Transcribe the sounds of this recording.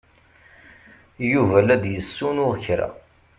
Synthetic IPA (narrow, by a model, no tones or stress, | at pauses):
juvælæd̪jəsːunʊʁçɾæ̰